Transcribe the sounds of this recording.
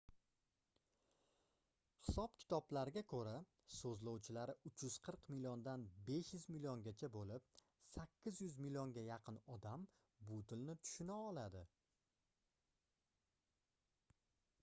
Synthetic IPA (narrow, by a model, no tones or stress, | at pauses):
hɪ̥sɒp̚kʲʰɪ̥t̪ʰɒblaɾɪɡʲakʰɵɾa | sɵzlowt͡ʃʰɪlaɾɪʔʊt͡ʃʰjʊz̥qʰɨɾqmɪliɒnd̪anbe̞ʃjʊzmiliɒnɡʲat͡ʃʰabolɪp̚ | sakʲʰːɪzjʊzmilijɒŋɡʲajɑqʰɨnɒd̪am | bʊt̪ʰɪlnɪt̪ʰʊ̥ʃɪnaɒlad̪ɪ